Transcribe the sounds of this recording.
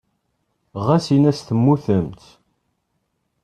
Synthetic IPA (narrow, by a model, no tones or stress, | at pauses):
ʁæsinæsθəmːuθəmt̪